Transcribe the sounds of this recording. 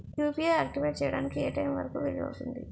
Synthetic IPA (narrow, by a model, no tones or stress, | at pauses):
kjuːpieaːk̚ʈiʋejʈ̚t͡ʃɛːjɐɽa̰ːnikieːʈɐjmʋɐ̰ɾɐkuʋeɭiʋɐ̰wut̪und̪ḭ